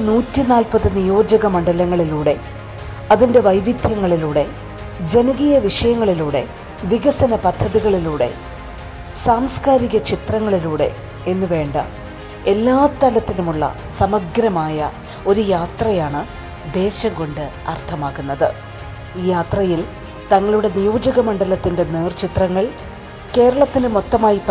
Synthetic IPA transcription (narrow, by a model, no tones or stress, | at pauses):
nuːtːinaːlpɐðɨnijo̞ːd͡ʑɐɣɐmɐɳɖɐlɐŋːɐɭiluːɽe̞ | ɐðinde̞ʋɐjʋid̪ʱjɐŋːɐɭiluːɽe̞ | d͡ʑe̞nɐɣijɐʋiʂɐjɐŋːɐɭiluːɽe̞̰ | ʋiɣɐsɐnɐpɐd̪ʱːɐðiɣɐɭiluːɽe̞̰ | saːmskaːɾiɣɐt͡ɕit̪rɐŋːɐɭiluːɽe̞̰ | enːɨʋe̞ːɳɖɐ̰ | e̞lːaːt̪ːɐlɐt̪ːilumuɭːɐ̰sɐmɐɡɾɐmaːjɐ̰ | o̞ɾujaːt̪rɐjaːɳɨ | d̪e̞ːɕɐŋɡo̞ɳɖɨ | ɐ̰rt̪ʰɐmaːɣunːɐðɨ | iːjaːt̪rɐjil | t̪ɐŋːɐɭuɽe̞nijoːd͡ʑɐɣɐmɐɳɖɐlɐt̪ːinde̞neːrt͡ɕit̪rɐŋːɐɭ | ke̞ːɾɐɭɐt̪ːinɨmo̞t̪ːɐmaːjipː